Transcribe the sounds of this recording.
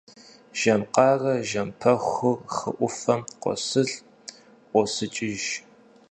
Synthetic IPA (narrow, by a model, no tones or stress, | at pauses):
ʒ̥ɐmqɑːrɐʒɐmpʰɐχʷʊχə̰ʔʷʊfɐmqʷɔ̰sɨɮ | ʔʷɔsɨt͡ʃʼɪʒ